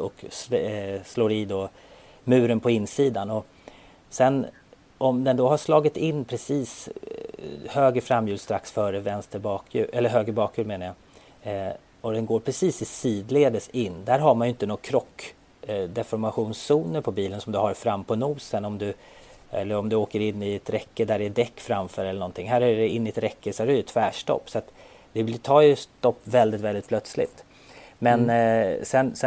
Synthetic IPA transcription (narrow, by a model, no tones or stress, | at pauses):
ɔkssloːɾɪːd̪o | mʉ̟ːɾənpʰɔɪnsiːd̪anɔ | sɛn | ʔɔmd̪ɛnd̪ɔɦaʂlɑːɡɪt̪ɪnːpʰɾɛsiːs | høːɡəfɾamːjʉːd̪st̪ɾaksfœːɾəvɛnst̪əbɑːkʰjʉ̰ːʔɛlːəɾɦøːɡɾəbɑːkʰjʉːɾmeːnaja | ɔd̪ɛnɡoːɾpʰɾɛsiːsɪsiːd̪leːd̪əsɪnːd̪æɾɦaɾmanjʏɪnt̪ənɔkʰɾɔkː | d̪ɛfɔɾmaɧuːnsːuːnəɾpʰɔbiːlənsɔmd̪ɵhaɾfɾamːpʰɔnuːsənɔmd̪ɵ | ɛ̰lːəɾɔmd̪ɵoːkəɾɪnːɪɛt̪ɾɛkːəd̪æɖɛd̪ɛkːfɾamfœːɾɛləɳɔnt̪ʰɪŋɦæːɾæɖɛɪnːɪɛt̪ɾɛkːəsɔæɖɛjɵt̪ʰvæːʂʈɔ̰pːsɔat̪ | d̪ɛt̪ʰɑːjɵst̪ɔpːvɛld̪ɪt̪vɛld̪ɪt̪plœt̪slɪ̰t̪ | mɛnsɛnsɛ